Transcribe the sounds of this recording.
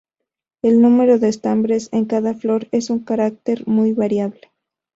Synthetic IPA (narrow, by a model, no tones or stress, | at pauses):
e̞lnume̞ɾo̞ðe̞ːst̪ambɾe̞se̞ŋkaðaflo̞ɾe̞suŋkaɾak̚t̪e̞ɾmujβaɾjaβle